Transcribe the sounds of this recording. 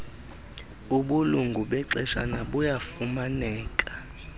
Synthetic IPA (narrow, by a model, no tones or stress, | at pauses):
uɓuluŋɡʱuɓɛǀɛʃa̰naɓujafumanɛːkʼḁ